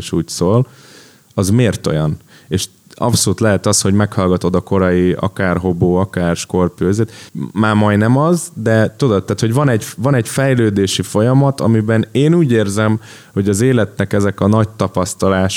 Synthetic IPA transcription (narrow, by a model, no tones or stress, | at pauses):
ʃuːcsoːl | ɒzmeːrt̪o̞̰jɒn | eːʃ | ɒ̰psoluːt̪lɛɦɛt̪ɒsho̞ɟmɛkhɒlɡɒt̪o̞d̪ɒko̞ɾɒjiɒ̰kaːrɦo̞boːɒkaːrʃko̞rpøːzeːt̪maːmɒjnɛmɒzd̪ɛt̪od̪ot̪tːaːt̪ho̞ɟvɒnɛɟvɒnɛɟfɛjløːd̪eːʃifo̞jɒmɒt̪ɒ̰mibɛneːnuːɟeːrzɛm | ho̞ɟɒzeːlɛt̪nɛkɛzɛkɒnɒc̚t̪ɒpɒst̪ɒlaːʃ